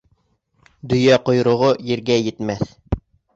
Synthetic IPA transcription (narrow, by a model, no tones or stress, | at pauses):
d̪ɵ̆jæqŏjɾŏʁojɘ̆ɾɡæjɘ̆t̪mæθ